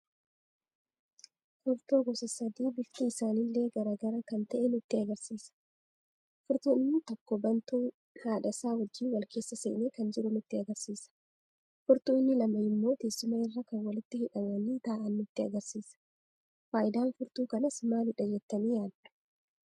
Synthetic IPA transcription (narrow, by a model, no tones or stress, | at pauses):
hʊɾt̪oːɡɔsɐsɐd̪iːbɪft̪iɪsaːnɪlːe̞ːɡɐɾaːɡɐɾɐkɐnt̪ɐʔɛnʊt̪ːɪɐɡɐɾsiːsɐ̥ | fʊɾt̪uːɪnːɪt̪ɔkːɔbɐnt̪uː | naːᶑɐsaːhɔd͡ʒːiːnwɐlkʰe̞ːsːɐseːneːkɐnd͡ʒɪɾʊnʊt̪ːɪɐɡɐɾsiːsɐ̥ | fʊɾt̪uːɪnːɪlɐmɐɪmːo̞ːt̪eːsːʊmɐɪrːɐkɐnwɐlɪt̪ːɪhɪᶑɐmɐniːt̪aːʔɐnːʊt̪ːɪɐɡɐɾsiːsɐ̥ | faːjɪd̪aːnfʊɾt̪uːkɐnɐsɪmaːnɪᶑɐd͡ʒɛt̪ːɐniːjaːd̪ːʊ̥